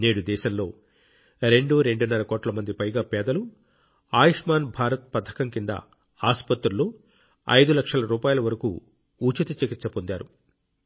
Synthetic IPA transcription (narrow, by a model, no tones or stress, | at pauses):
ne̞ːɽud̪ɛːʃɐmlo̞ː | ɾe̞ɳɖuɾeɳɖunːɐɾɐkɔːʈlɐmɐnd̪ipɐjɡaːpɛːd̪ɐlu | aːjiʂmaːnbʱaːɾɐt̪̚pɐd̪ʰʱːɐ̥kɐŋkind̪ɐ̰ | aːspɐt̪ɾɐloː | ɐ̰jd̪ulɐkʂɐlɐɾuːpaːjɐlɐʋɐɾɐkṵ | uːt͡ʃɐt̪ɐt͡ʃekitːsɐpond̪aːɾu